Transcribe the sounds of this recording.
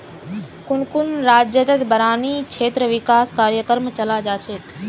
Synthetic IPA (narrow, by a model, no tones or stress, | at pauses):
kʊnkʊnɾaːd͡ʒjət̪et̪bəɾaːnikʰeːt̪ɾəʋɪkaːskaːɾjəkəɾmt͡ʃəlaːd͡ʒaːt͡ʃʰeːt̪